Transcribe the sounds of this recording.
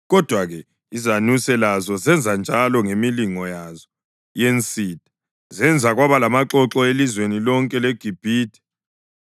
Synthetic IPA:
ɣɔd̥ʱwaɣɛ | izanusɛlazɔzɛnd͡zʱand͡ʒʱalɔŋemiliŋɔjazɔ | jent͡sʼiːtʼi̥ | zɛnd͡zʱaɣwaβalamaǁɔǁɔelizwenilɔŋkʼɛleɡ̥ʱib̥ʱiːtʰʼi̥

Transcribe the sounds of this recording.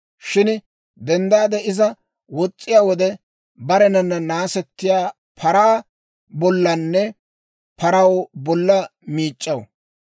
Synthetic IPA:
ʃɪn | d̪ɛnd̪aːd̪ɛɪzɐ | wɔt͡sʼːɪjaːwɔd̪ɛ | bɐɾɛnɐnːɐnaːsɛt̪ːɪjaː | pʰɐɾaː | bɔlːɐnːɛ | pɐɾɐwbɔlːɐmiːt͡ʃʼːɐw

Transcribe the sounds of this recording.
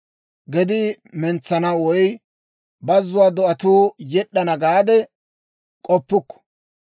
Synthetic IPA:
ɡɛd̪ɪ | mɛnt͡sːɐnɐwɔj | bɐzːʊwaːd̪ɔʔɐt̪uːjɛɗːɐnɐɡaːd̪ɛ | kʼɔpːʊkːɔ̥

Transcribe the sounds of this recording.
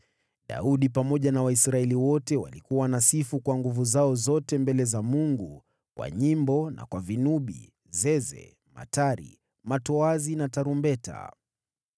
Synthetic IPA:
ɗa̰uɗipamɔʄanawaisɾaɛliwɔtɛwa̰likuwanasifukwaŋɡuvuzaɔzɔtɛmbɛlɛzamuŋɡu | kwa̰ɲimbɔna̰kwavinuɓḭ | zɛzɛ̰ | ma̰taɾḭ | matɔazinataɾumbɛta̰

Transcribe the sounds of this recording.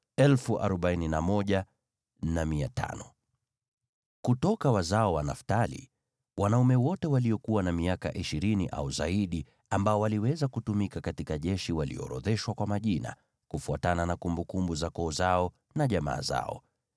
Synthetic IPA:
ɛlfuʔa̰ɾɔɓaininamɔʄa | namiatʰa̰nɔ | kutɔkawazaɔwanaftalḭ | wanaumɛwɔtɛwalijɔkuwanamiaka̰ʔiʃiɾiniʔa̰uzaiɗi | ambaɔwaliwɛzakutumikakatikaʄɛʃiwalḭɔ̰ɾɔ̰ðɛʃwakwamaʄina̰ | kufuatananakumbukumbuzakɔːzaɔ | naʄama̰ːza̰ɔ̰

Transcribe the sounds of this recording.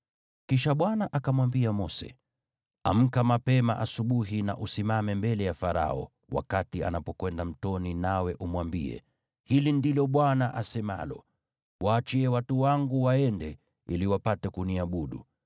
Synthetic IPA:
kiʃaɓwanaʔakamwambiamɔsɛ̰ | am̩kamapɛmaʔasuɓuɦina̰ʔusimamɛmbɛlɛjafaɾa̰ɔ̰ | wa̰katia̰napɔkwɛndam̩tɔninawɛʔumwambḭɛ̰ | hilindilɔɓwanaʔasɛma̰lɔ̰ | wʔaːt͡ʃiɛwatuwaŋɡuwaɛndɛ | iliwapatɛkuniaɓuɗṵ

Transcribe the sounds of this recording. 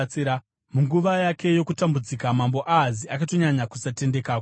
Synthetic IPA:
iɾa | muŋɡuʋajakʰe̞jo̞kutambud͡zikamambo̞ʔaːziʔakato̞ɲaɲakusate̞nde̞kaːko

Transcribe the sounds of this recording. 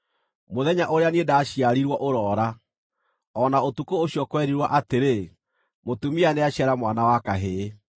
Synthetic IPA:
moðɛɲaʔoɾeaniedaɕjaɾiɾwɔʔoɾɔːɾa | ɔnaotukooɕjɔkwɛɾiɾwaʔateɾe | motumianeaɕjaɾamwanawakaɦe

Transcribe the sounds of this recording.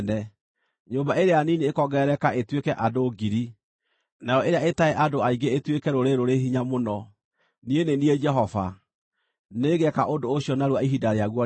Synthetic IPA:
nɛ | ɲoːmbaeɾeanineekɔɡɛɾɛkaʔetwekɛʔadoɡiɾi | naɾɔeɾeaetaeʔadoaiɡeetwekɛɾoɾeɾoɾeɦiɲamonɔ | nienenied͡ʒɛɦɔva | neɡɛkaʔondoːɕiɔnaɾwaiɦidaɾeaɣwɔ

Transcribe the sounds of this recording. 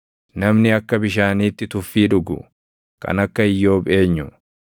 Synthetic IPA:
nɐmnɪɐkːɐbɪʃ̬aːniːt̪ːɪt̪ʊfːiːᶑʊɡʊ̰ | kɐ̰nɐkːɐɪjːo̞ːbʼe̞ːɲːʊ

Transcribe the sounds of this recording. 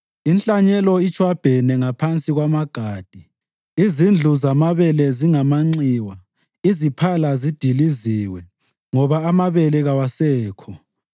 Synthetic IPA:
inɬʼaɲɛlɔit͡ʃʰʼwab̥ʱɛnɛŋapʰant͡sʼiɣwamaɡ̥ʱaːd̥ʱi | izind͡ɮʱuzamaβɛlɛziŋamaŋ͡ǀiwa | izipʰalazid̥ʱiliziwɛ | ŋɔβaːmaβɛlɛɣawasɛːkʰɔ

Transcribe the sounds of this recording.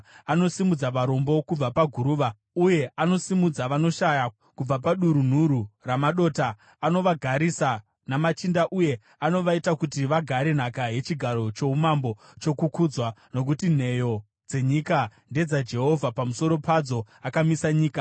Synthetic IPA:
ano̞simud͡zaʋaɾo̞mbo̞kub͡vapaɡʱuɾuːʋa | uje̞ano̞simud͡zaʋano̞ʃaja | kub͡vapaɗuɾun̤uɾuramaɗo̞ːtaː | no̞ʋaɡʱaɾisa | namat͡ʃindaʔuje̞ | ano̞ʋaitakutiʋaɡʱaɾe̞n̤akaɦe̞t͡ʃiɡʱaɾo̞t͡ʃo̞umambo̞ | t͡ʃo̞kukud͡zwano̞k̬utin̤e̞jo̞ | d͡ze̞ɲikande̞d͡zad͡ʒe̞ɦo̞vʱapamuso̞ɾo̞pad͡zo̞ | akamisaɲiːka

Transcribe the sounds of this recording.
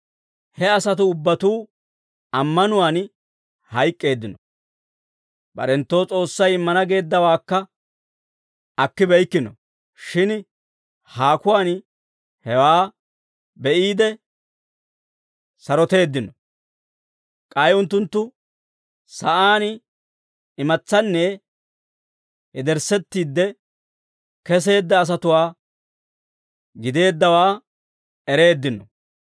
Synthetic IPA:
hɛɐsɐt̪ʊːbːɐt̪uː | ɐmːɐnʊwaːn | hɐjkʼːe̞ːd̪ːɪnɔ | bɐ̰ɾɛnt̪ːo̞ːt͡sʼo̞ːsːɐjɪmːɐnɐɡe̞ːd̪ːɐwaːkːɐ | ɐkːɪbɛjkːɪnɔ̰ | ʃɪn | haːkʊwaːn | hɛwaː | bɛʔiːd̪ɛ | sɐɾɔt̪e̞ːd̪ːɪnːɔ | kʼɐjʊnt̪ːʊnt̪ːʊ | sɐʔaːn | ɪmɐt͡sːɐnːɛ | hɛd̪ɛɾsɛt̪ːiːd̪ːɛ | kɛs̬e̞ːd̪ːɐːs̬ɐt̪ʊwaː | ɡɪd̪e̞ːd̪ːɐwaː | ɛɾe̞ːd̪ːɪnːɔ

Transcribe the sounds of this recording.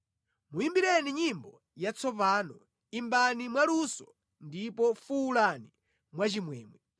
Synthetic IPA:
mujimbiɾɛniɲimbɔ | jat͡sʰɔpaːnɔ | imbanimwalusɔ | ndipɔfuːlani | mwat͡ʃimwɛːmwɛ

